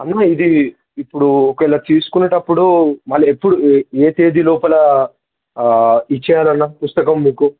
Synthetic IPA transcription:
ɐnːaːid̪i | ipːuɽuɔkɐɛlːɐt̪iːsu̥kunːɐʈɐpːuɽumɐlːɐepːuɽueːt̪e̞ːd̪ilɔːpɐlɐ | it͡ʃːɛjaːlɐnːaːpust̪ɐkɐmːiːku

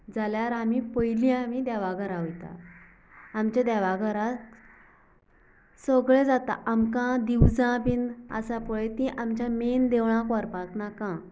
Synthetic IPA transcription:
d͡zaljaɾamipəjlĩamid̪aʋaɡəɾaɦojt̪a̰ː | mt͡ɕad̪aʋaɡəɾat̪ | səɡɭed͡zat̪a̰ʔamkãd̪iwd͡zãpina̰sapəɭet̪ĩʔamt͡ɕjamend̪eʋɳãkɔɾpaknakã

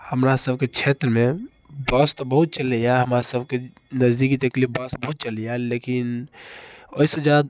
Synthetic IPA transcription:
həmɾasəbket͡ʃʰet̪ɾəme | bəst̪ɔbəɦut̪̚t͡ʃələjaɦəmɾasəbke | nəzd̪ikit̪əklif̚bəsbəɦut̪̚t͡ʃəlijalekin | oisə̃d͡ʒad̪̚

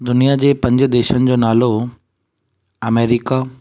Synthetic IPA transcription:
d̪ʊnijad͡ʑeːpɐ̃ɲd͡ʑd̪eːʃənɪ̆d͡ʑoːnaːlo | ɐmeːɾɪka

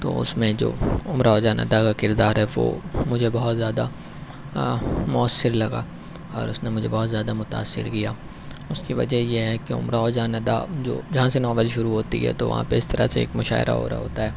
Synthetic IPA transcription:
t̪o̰ːʊ̰smẽd͡ʒo̰ːʊmɾaod͡ʒaːnɐ̰d̪akakɪɾd̪aːɾɦɛʋo̰ːmʊd͡ʒʱebɐɦɔt̪zjaːd̪a | mʊəsːɪɾlɐɡa̰ː | ɔ̰ːɾʊsnemʊd͡ʒʱebɔɦːt̪zjaːd̪amʊt̪a̰ːsːɪ̰ɾkijaː | ʊskiʋɐ̰d͡ʒəjeɦɛkeʊ̰mɾaod͡ʒaːnɐd̪ad͡ʒo̰ːd͡ʒɐɦãsenɔːʋəlʃʊɾuɦoːt̪ḭɦɛ̰t̪oʋɐ̰ɦã̰peɪst̪ɐɾa̰seeːkmʊʃa̰ːɪɾʔa̰ɦo̰ːɾa̰ɦo̰ːt̪aɦɛː

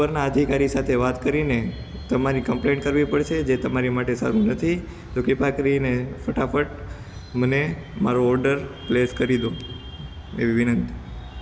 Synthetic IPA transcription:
əɾnaəd̪ʱikaɾisat̪ʰeʋat̪kəɾine | t̪əmaɾikə̃mplẽɳʈkəɾʋipəɽʃed͡ʒet̪əmaɾimaʈesa̰ɾũnət̪ʰi | t̪okɪpakəɾinefəʈafəʈ̚ | məne | maɾoːɾɖəɾpleskəɾid̪o | eʋiʋɪnənt̪i

